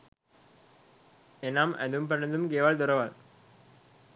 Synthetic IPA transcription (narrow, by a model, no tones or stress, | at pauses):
enːaːmʔɐ̰d̪ɯmpɐɳɐnd̪ɯmk̬eːʋaːld̪ʊɾɐʋaːl